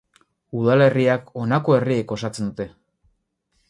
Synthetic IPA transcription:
uðale̞riako̞nako̞e̞rieko̞sat͡se̞nd̪ut̪e̞

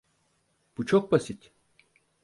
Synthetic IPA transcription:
b̥ut͡ʃʰok̚basit̪

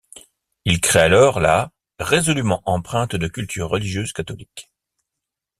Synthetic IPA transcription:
ilkχealɔʁla | ʁezɔlymɑ̃ʔɑ̃pχɛ̃t̪d̪əkʲylt̪ʰy̰ʁːəliʒjøzkat̪ɔlik

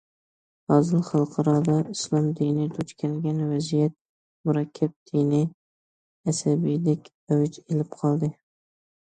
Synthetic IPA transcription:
ɒzɨlˠχɑlˠqʰɑɾɒd̪ɑɪslˠɒmd̪inid̪ʰʊt͡ʃkʲʰalɡʲanvazijat̪̚ | mʊɾakʲʰːab̚d̪̥inɪ | asabid̪ɪkʲ | awɪt͡ʃelɪpqʰɒlˠd̪ɪ

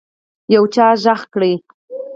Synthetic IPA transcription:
jawt͡ʃɑːʒɑχkɽej

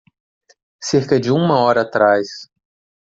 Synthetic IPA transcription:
seɾkɐd͡ʒɪũmɐɔɾɐːt̪ɾajs

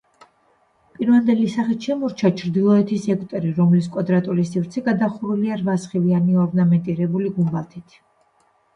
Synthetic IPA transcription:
pʼiɾvand̪ɛlisaχit̪ʃɛmuɾt͡ʃʰat͡ʃʰɾd̪ilˠɔɛt̪ʰisɛkʼt̪ʼɛɾiɾɔmliskʼad̪ɾat̪ʼulisivɾt̪sʰɛɡad̪aχuɾuliaɾvasχivianiɔɾnamɛnt̪ʼiɾɛbuliɡumbalˠt̪ʰit̪ʰ

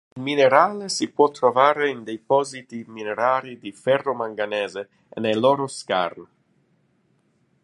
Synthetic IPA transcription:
ilmineɾaːlesipwɔt̪ːɾovaːɾeind̪ejpɔzit̪imineɾaːɾid̪ifɛrːomaŋɡanɛːze | ḛnejlɔːɾoska̰ɾn

